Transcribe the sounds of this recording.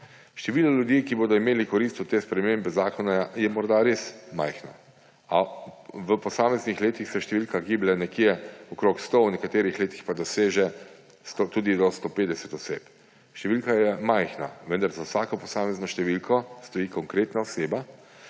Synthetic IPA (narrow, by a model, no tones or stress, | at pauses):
ʃt̪ɛʋiːlalʲjud̪jikiboːd̪ɔimeːlikɔɾiːst̪ut̪eːspɾɛmeːmbɛzaːkɔnajɛmɔɾd̪aɾesma̰jxna | aʋəpɔsaːmɛznixleːt̪ixsɛʃt̪ɛʋilkaɡiːblɛnɛkjɛɔkɾoːkst̪ownɛkat̪eːɾixleːt̪ixpad̪ɔseːʒɛ | st̪ot̪uːd̪id̪ɔst̪opeːd̪ɛsɛt̪ɔseːp | ʃt̪ɛʋilkajɛmajxna̰ʋənd̪aɾzawsaːkɔpɔsaːmɛznɔʃt̪ɛʋilkʰɔst̪ɔjiːkɔŋkɾeːt̪naɔseːba